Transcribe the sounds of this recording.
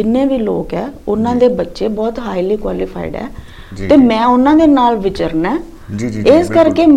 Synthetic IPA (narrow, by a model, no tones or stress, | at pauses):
ɪnːẽːʋiːloːkɦɛːʊnãːd̪eːbətːʃeːbɔːt̪ɦaːiliːkwa̰ːlɪpʰa̰ːḭɖɛ̰ː | t̪eːmɛ̃ːʊnãːd̪eːnaːlʋɪt͡ʃəɾnɛː | eːskəɾkeː